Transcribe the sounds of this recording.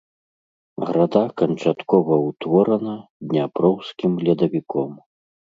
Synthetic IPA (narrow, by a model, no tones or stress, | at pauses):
ɣɾad̪akɐnt͡ʂat̪kɔvɐwt̪vɔɾɐnɐd̪ʲnʲapɾɔwskʲimlʲɐd̪ɐvʲikɔm